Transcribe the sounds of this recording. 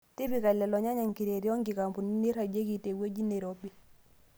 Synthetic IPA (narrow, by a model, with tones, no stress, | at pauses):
ti˦bi˨ka˨lɛ˨lɔ˨ɲa˦ɲa˨ŋki˨ɾe˨ɾjɔ˦ŋɡɪ˨ka˨mbu˨ni˦ni˦ɾa˨d͡ʒe˦ki˨te˨ɡwe˦d͡ʒi˦ne˨ɾo˦bi˦